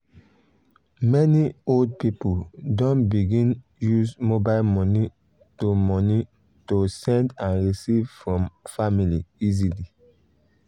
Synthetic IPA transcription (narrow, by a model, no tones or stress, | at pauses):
mɛniold̚pipudɔ̃nbiɡĩn | juzmobaɪlmɔni | tomɔni | tosɛ̃ndãnɹisiv̥fɹɔ̃mfamiliizili